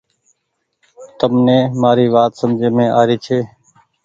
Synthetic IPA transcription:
t̪əmnẽːmaːɾiːʋaːt̪səmd͡ʒʱeːmẽːʔaːɾiːt͡ʃʰeː

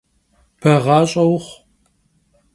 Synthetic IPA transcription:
pʰɐʁɑːɕʼɐwχʷ

